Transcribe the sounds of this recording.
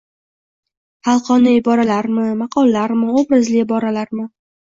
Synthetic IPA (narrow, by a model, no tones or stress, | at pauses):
hɑlˠqɒnɪɪbɒɾalaɾmɪmɑqʰɒlˠːaɾmɪobɾazlɪɪbɒɾalaɾmɪ